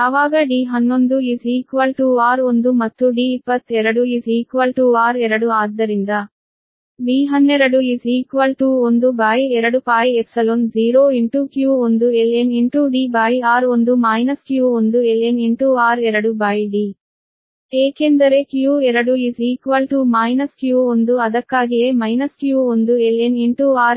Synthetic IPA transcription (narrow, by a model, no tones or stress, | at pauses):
ɐʋaːɡɐɖiːɦɐnːond̪uiːsiːkʋɐlʈuːaːɾond̪umɐt̪ːuɖiːpːɐt̪ʰːɛɾɐɽuiːsiːkʋɐlʈuːaːɾɛɾɐɽuaːd̪ɐɾind̪ɐ | biːɦɐnːeɾɐɽuiːsiːkʋɐlʈuːond̪ubaːjɛɾɐɽupaːjepsɐlonziːɾoːiɳʈuːkjuːond̪ueleniɳʈuːɖiːbaːjaːɾond̪umaːjnɐskjuːond̪ueleniɳʈuːaːɾɛɾɐɽubaːjɖiː | eːkend̪ɐɾe̞kjuːɛɾɐɽuisiːkʋɐlʈuːmaːjnɐskjuːond̪uɐd̪ɐkːaːɡijeːmɐjnɐskjuːond̪ueleniɳʈuːaːɾ